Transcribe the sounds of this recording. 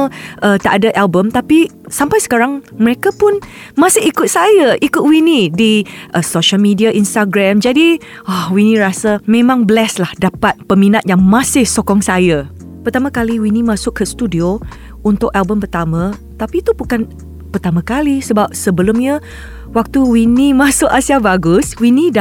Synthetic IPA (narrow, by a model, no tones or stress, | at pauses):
ʔət̪aʔadaʔalbəmt̪api | sampajsə̥kaɾaŋməɾekapʊnmãsɪhikʊt̪̚sajaʔikʊt̪̚winĩdiʔəsoʃalmidiaʔinst̪aɡɾamd͡ʒadi | ɔhwinĩɾasamẽmãŋbəlɛslahdapat̪̚pəminat̪̚jaŋmãsɪhsokɔŋsaja | pərt̪amãkaliwinimãsʊʔkːəst̪udio | unt̪ʊkalbəmpərt̪amã | t̪apit̪ubukan | pərt̪amãkalisəbap̚səbəlʊmɲa | wak̚t̪uwinĩmãsʊʔasiabaɡʊswinĩd